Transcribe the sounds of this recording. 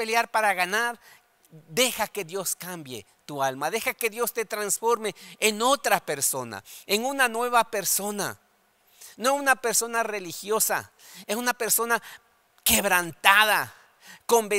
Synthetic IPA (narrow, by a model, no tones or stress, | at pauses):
peljaɾpaɾaɣanaɾ | d̪exakeðjoskambjḛ | t̪ualmaðexakeðjo̞st̪et̪ɾansfoɾmeːnot̪ɾapeɾsona̰enunanwe̞βapeɾsona̰ | noesunapeɾsonarelixjosa̰ | esunapeɾsona | keβɾant̪aða | kombe